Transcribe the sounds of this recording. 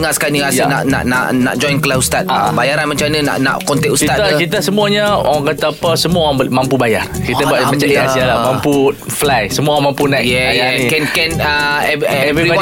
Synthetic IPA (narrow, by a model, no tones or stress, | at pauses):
ŋaʔsə̥kaniana̰ʔna̰ʔna̰ʔna̰ʔd͡ʒɔjnkəlaust̪at̪̚bajaɾanmaɲt͡ʃamnana̰ʔna̰ʔkɔnt̪ɛʔusit̪at̪akit̪asəmũaɲaa̰ɣaŋkat̪aːpasəmuaamampubajarkit̪abuaʔmãt͡ʃaasialamãmpu | flajsəmuaãmãmpunajɛajkɛnkɛnəɛɛviɔ